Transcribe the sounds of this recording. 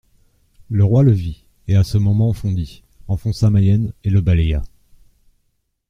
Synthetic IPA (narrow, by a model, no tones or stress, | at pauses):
ləʁwaləvi | easəmɔmɑ̃fɔ̃d̪i | ɑ̃fɔ̃samajɛneləbaleja